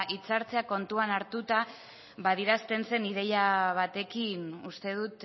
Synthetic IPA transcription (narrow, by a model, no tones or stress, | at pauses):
ʔit͡saɾt͡se̞ako̞nt̪uanaɾt̪ut̪a | βað̞iɾast̪e̞nse̞niðe̞jaβ̞at̪e̞kinust̪e̞ð̞ut̪